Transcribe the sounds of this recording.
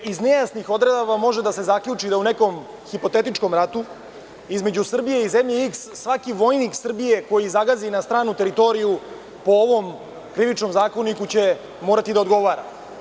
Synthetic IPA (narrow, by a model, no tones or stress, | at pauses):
izne̞jasnixo̞d̪ɾed̪aʋamo̞ʒed̪ase̞zakʎut͡ʂid̪auneko̞m | xipo̞t̪et̪it͡ʂko̞mɾat̪u | izme̞d͡ʑusr̩bije̞izemʎeiksːʋakiʋo̞jniksr̩bije̞ko̞jizaɡazinast̪ɾaːnut̪e̞ɾit̪o̞ɾiju | po̞oʋo̞m | kɾiʋit͡ʃno̞mzaːko̞nikut͡ɕe̞ | moːɾat̪id̪ao̞d̪ɡo̞ʋaːɾa̰